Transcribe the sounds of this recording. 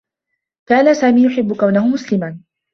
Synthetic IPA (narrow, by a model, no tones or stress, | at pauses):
kaːnasaːmiːjʊħɪbːʊkawnahʊmʊslɪmaː